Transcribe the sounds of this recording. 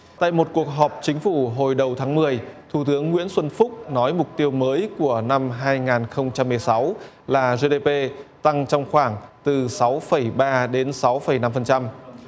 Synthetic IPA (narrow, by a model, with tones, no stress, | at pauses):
t̪a̰ː˧˨jmo˨˩t̚ku˨˩ək̚ɦɔ˨˩p̚t͡ɕï˨˦ŋ̟fu˧˩ɦo˨˩jɗə˨˩wt̪ʰaː˨˦ŋmɨ˨˩əjt̪ʰu˧˩t̪ɨ˨˦əŋːwḭ˧˥ənswə˧nfʊ˦˥k͡p̚nɔ˨˦jmʊ˨˩k͡p̚t̪i˧əwməː˨˦jku˧˩əna˧mɦaː˧jŋaː˨˩nxə˧wŋ͡mt͡ɕa˧mːɨ˨˩əjsa˨˦w | laː˨˩ze˧ɗe˧pe˧t̪a˧ŋt͡ɕɔ˧wŋ͡mxwaː˧˩ŋt̪ɨ˨˩sa˨˦wfə˧˩jɓaː˧ɗe˨˦nsa˨˦wfə˧˩jna˧mfə˨˩nt͡ɕa˧m